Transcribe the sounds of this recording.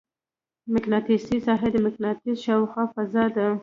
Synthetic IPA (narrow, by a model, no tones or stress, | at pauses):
mɪknɑtisisɑɦed̪əmɪknɑtizʃawxwɑfazɑd̪a